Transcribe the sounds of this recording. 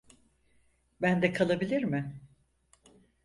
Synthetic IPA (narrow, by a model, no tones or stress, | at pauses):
bænd̪ɛkʰalˠabilʲiɾmɪ